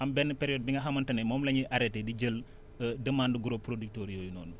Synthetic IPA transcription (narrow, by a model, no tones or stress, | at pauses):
ʔɐmbɛnːpeɾijoːd̚biŋɡɐɦɐmɐntɐnemoːmlɐɲiʔaɾetedid͡ʒəl | ədəmaːnduɡuɾopɾodik̚toːɾijoːjuno̰ːnu